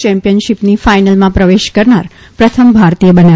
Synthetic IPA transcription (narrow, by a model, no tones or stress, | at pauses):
t͡ʃɛ̃mpijənʃipnifajnəlmãpɾəʋeʃkəɾnaɾ | pɾət̪ʰəmbʱaɾt̪ijəbəne